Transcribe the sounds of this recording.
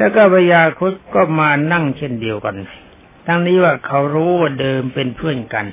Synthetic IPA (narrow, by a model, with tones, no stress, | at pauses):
lɛː˧˩kɔː˧˩ba˧˩jaː˧˩kʰu˦˥t̪̚kɔː˥˩maː˧na˥˩˨ŋt͡ɕʰe˧˥˩ndi˨˧əwka˧n | t̪ʰa˧ŋniː˦˥waː˧˩kʰa˧˦˩wɾuː˦˥waː˧˩dɤː˧mpe˧npʰɯ˥˩ənka˧n